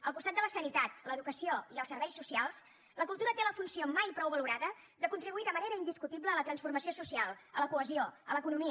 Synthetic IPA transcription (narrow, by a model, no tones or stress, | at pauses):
əlˠkust̪at̪d̪ələsənit̪at̪̚ləðukəsioiəlˠsəɾβɛjsːusialˠs | ləkulˠt̪uɾət̪eləfunsiomajpɾɔwβəluɾaðə | d̪əkunt̪ɾiβuiðəməneɾəind̪iskut̪ibləːlət̪ɾənsfurməsiosusialˠələkuəzioələkunumiə